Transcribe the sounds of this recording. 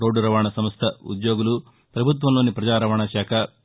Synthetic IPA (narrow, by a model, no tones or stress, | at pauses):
ɾoːɖuɾɐʋaːɳɐsɐmst̪ʰɐṵd̪joːɡulu | pɾɐbʱut̪̬ʋɐmloːnipɾɐd͡ʒaːɾɐʋɐɳɐʃaːkʰɐ